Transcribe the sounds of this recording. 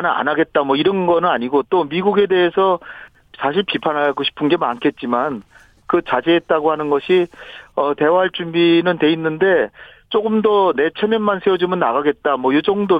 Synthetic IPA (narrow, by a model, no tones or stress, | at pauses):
na̰naɡe̞t̚t͈amwʌiɾʌnɡʌnɯnaɲiɡot͈omiɡuɡe̞de̞ɦesʰʌ | sʰaɕʰiɭpipʰanɦaɡoɕʰi̥pʰɯnɡe̞ma̰nkʰe̞t̚t͡ɕ͈iman | kɯt͡ɕad͡ʑeɦːt̚t͈aɡohanɯnɡʌɕʰiʌte̞waɦaɭt͡ɕ͈umbinɯnte̞inːɯnde̞t͡ɕ͈oɡɯmdʌne̞t͡ɕʰemjʌnmansʰewʌd͡ʑumɯnːaɣaɡe̞t̚t͈amwʌjod͡ʑʌŋdo